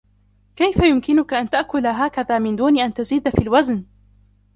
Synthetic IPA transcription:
kajfajʊmkɪnʊkaʔant̪aʔkʊlɦaːkaðaːmɪnd̪uːnɪʔant̪aziːd̪fiːlwazn

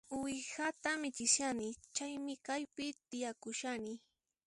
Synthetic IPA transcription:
wɪhat̪amɪt͡ʃɪsjanɪt͡ʃajmɪkajpɪt̪ɪjakʊʃanɪ

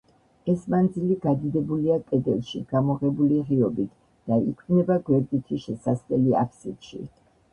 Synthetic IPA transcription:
ɛsmand̪ziliɡad̪id̪ɛbuliakʼɛd̪ɛlˠʃḭɡ̥amɔʁɛbuliʁiɔbit̪ʰ | d̪̥aikʰnɛbaɡwɛɾd̪it̪ʰiʃɛsaslɛlia̰pʰsit̪ʃḭ

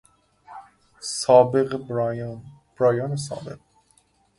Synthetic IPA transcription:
sɒːbeɣ | b̥ɾɒːjɒːnes̬ɒ̰ːbeq

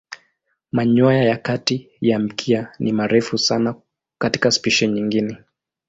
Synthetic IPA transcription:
maɲɔjajakati | jam̩kʰianʔimaɾɛfusana | kati̥kaspiʃɛɲiŋɡinɛ

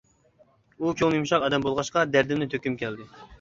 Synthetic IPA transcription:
ukʲʰoŋɨjumʃɑqɛd̪ɛmbolˠʁɑʃqɑd̪æɾd̪ɪmnɪt̪ʰøkʲymkʲʰɛld̪ɪ

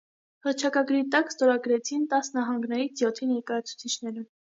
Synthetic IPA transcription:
həɾt͡ʃʰɑkɑɡɾit̪ɑkst̪ɔɾɑɡɾɛt͡sʰint̪ɑsnɑɦɑŋɡnɛɾit͡sʰjɔt̪ʰinɛɾkɑjɑt͡sʰu̥t͡sʰit͡ʃʰnɛɾum

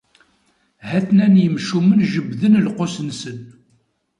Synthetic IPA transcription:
hæθnænjəmʃumənʒəbðənlqosənsən

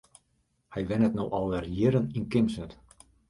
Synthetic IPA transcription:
hɛjʋɛnətnowʔɔlˠʋɛrjɪɾəninkɪmsnət

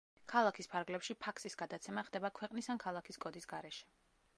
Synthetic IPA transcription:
kʰalˠakʰispʰaɾɡlɛpʃipʰakʰsʼisɡad̪at̪sʰɛmaχd̪ɛbakʰwɛqʼnisankʰalˠakʰiskʼɔd̪isɡaɾɛʃɛ̥

